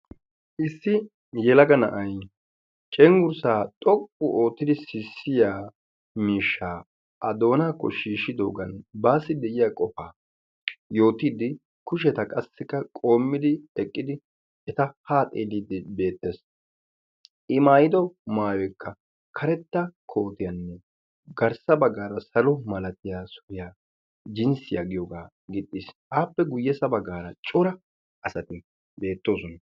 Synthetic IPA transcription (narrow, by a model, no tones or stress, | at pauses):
ʔɪsːɪ | jɛlɐɡɐnɐ̰ʔɐj | t͡ʃʼɛŋɡʊɾsaːt̪ʼɔkʼːʊʔo̞ːt̪ːɪd̪ɪsɪsːɪjaː | miːʃːaː | ʔɐd̪o̞ːnaːkːɔʃiːʃɪd̪o̰ːɡɐnbaːsɪd̪ɛjɪjaːkʼɔfaː | jo̞ːt̪id̪ɪ | kʊʃ̬ɛt̪ɐkʼɐsːɪkːɐkʼo̞ːmːɪd̪ɪɛkʼːɪd̪ɪ | ɛt̪ɐhaːt̪ʼeːlid̪ɪbe̞ːt̪ːe̞ːs | ʔɪmaːjɪd̪ɔmaːjwɛkʰːɐ | kʰɐɾɛt̪ːɐkʰo̞ːt̪ɪjɐnːɛ | ɡɐɾsɐbɐɡːaːɾɐsɐlɔmɐlɐt̪ɪjaːsʊ̥ɾɪjaː | d͡ʒɪnsɪjaɡɪjɔɡaː | ɡɪt̪ʼːisʔaːpːɛɡʊjːɛsɐbɐɡaːɾɐt͡ʃʼʊɾɐ | ɐsɐt̪ɪ | be̞ːt̪ːo̞ːsɔnɐ